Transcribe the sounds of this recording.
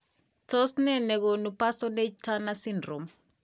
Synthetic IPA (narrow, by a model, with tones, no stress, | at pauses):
tɔ˦snɛ˦nɛ˨ko˨nu˨pa˦sɔ˦ne˦t͡ʃtʰa˦na˦si˦ndro˨m